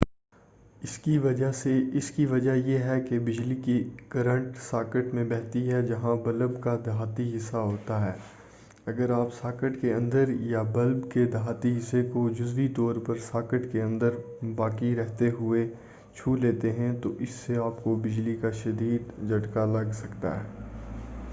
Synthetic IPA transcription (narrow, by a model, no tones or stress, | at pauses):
ɪskiʋɐd͡ʒaseɪskiʋɐd͡ʒajeɦɛkebɪd͡ʒlikikɐɾə̃ɳʈsaːkəʈmẽbɛɦt̪iɦɛd͡ʒɐɦãbɐləbkad̪ɦaːt̪iɦɪsːaɦoːt̪aɦɛː | ɐɡəɾaːpsaːkəʈkeɐ̃nd̪əɾjabɐlbked̪ɦaːt̪iɦɪsːekod͡ʒʊzʋit̪ɔːɾpɐɾsaːkəʈkeɐ̃nd̪əɾ | baːkiɾɛɦt̪eɦʊe | t͡ʃʰuːleːt̪eɦɛ̃t̪oʔɪsːeaːpkobɪd͡ʒlikaʃɐd̪iːd̪d͡ʒʱɐʈkalɐɡsɐkt̪a̰ɦɛː